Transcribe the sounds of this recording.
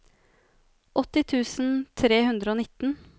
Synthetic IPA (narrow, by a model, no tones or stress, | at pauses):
ʔɔt̪ːɪt̪ʰʉːsn̩t̪ʰɾeːhʉnd̪ɾəoːnɪt̪ːn̩